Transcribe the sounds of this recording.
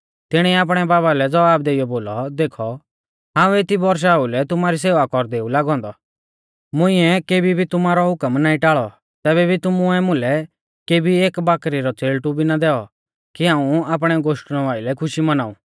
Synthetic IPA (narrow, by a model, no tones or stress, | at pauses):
t̪ɪɽ̃ɛaːp̬ɽ̃ɛbaːbalɛd͡zɐʋaːb̚d̪eːijɔboːlɔd̪eːkʰɔ | ɦãːũet̪ibɔɾʃ̬aulɛt̪ʊmaːɾis̬eːʋakɔɾd̪eːulaːɡɔ̃ːnd̪ɔ | mʊ̃ɪ̃ɛkeːbibʱit̪ʊmaːɾɔɦʊkəmnaːĩʈaːɭɔ | t̪ɛːbɛbʱit̪ʊmʊɛmʊ̃lɛ | keːbʱieːkbaːkɾiɾɔt͡seːlʈubʱinad̪ɛːɔ̰ | kiɦãːũaːp̬ɽ̃ɛɡoːʃʈñɔʋaːilɛkʰʊʃimɐnaːṵː